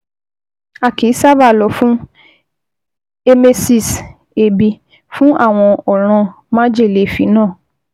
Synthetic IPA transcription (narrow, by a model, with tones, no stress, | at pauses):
a˦˨ki˨˦sa˦ba˦˨lɔ˨˦fũ˦ | e˧me˧si˦˨s | e˨bi˧ | fũ˦ʔa̰˦˨w̃ɔ̃˧ɔ˨ɾ̃ã˧ | m̃ã˦d͡ʒe˦˨le˨˦˨fi˨˦nãː˦˨